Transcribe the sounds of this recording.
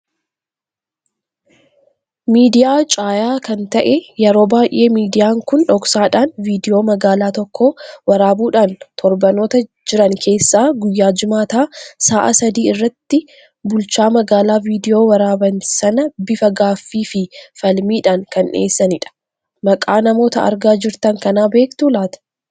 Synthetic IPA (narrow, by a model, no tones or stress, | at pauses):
miːd̪ɪjaːt͡ʃʼaːjaːkɐnt̪ɐʔɛjɛɾo̞ːbaːjʔe̞ːmiːd̪ɪjaːŋkʊnᶑɔksaːᶑaːnviːd̪ɪjo̞ːmɐɡaːlaːt̪ɔkʰːoːwɐɾaːbuːᶑaːnt̪ʰɔɾbɐno̞ːt̪ɐ | d͡ʒɪɾɐŋkʰe̞ːsːaːɡʊjːaːd͡ʒɪmaːt̪aːsaːʔɐ̰sɐd̪iːɪrːɐt̪ːɪ | bʊlt͡ʃaːmɐɡaːlaːviːd̪ɪjo̞ːwɐɾaːbɐnsɐnɐbɪfɐɡaːfːiːfɪfɐlmiːᶑaːŋkɐnʔe̞ːsːɐnɪᶑɐ̥ | mɐkʼaːnɐmo̞ːt̪ɐɐ̰ɾɡaːd͡ʒɪɾt̪ɐŋkɐnaːbe̞ːkt̪ulaːt̪ɐ̥